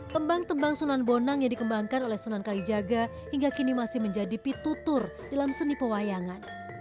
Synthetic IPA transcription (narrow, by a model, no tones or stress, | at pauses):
t̪əmbaŋt̪əmbaŋsunanbonaŋjaŋdikəmbaŋkanolɛhsunankalid͡ʒaɡa | hiŋɡakinimasɪhməɲd͡ʒadipit̪ut̪ʊr | d̥alamsənipəwajaŋan